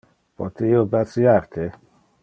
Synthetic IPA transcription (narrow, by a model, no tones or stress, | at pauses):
pɔ̰t̪eiobasiart̪ʰe